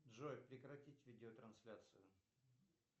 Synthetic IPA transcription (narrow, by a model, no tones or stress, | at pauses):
dʐojʲpɾʲɪkɾɐtʲitʲvʲidʲɪot̪ɾɐnsʲlʲat̪sɨjʊ